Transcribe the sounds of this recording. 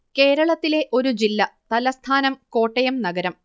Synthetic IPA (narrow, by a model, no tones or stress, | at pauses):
ke̞ːɾɐɭɐt̪ːile̞ʔo̞ɾud͡ʑilːɐt̪ɐlɐst̪ʰaːnɐmko̞ːʈːɐjɐmnɐɡɐɾɐm